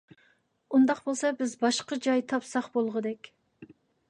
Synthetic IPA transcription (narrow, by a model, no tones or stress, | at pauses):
und̪ɑqbolˠsɑbɪzbɑʃqəd͡ʒɑjt̪ʰɑpsɑχbolˠʁəd̪ɛkʲ